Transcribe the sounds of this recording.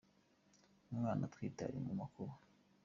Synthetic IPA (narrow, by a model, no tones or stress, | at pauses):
naβaːnat̪wiːta̰ɾḭmumakʰoβa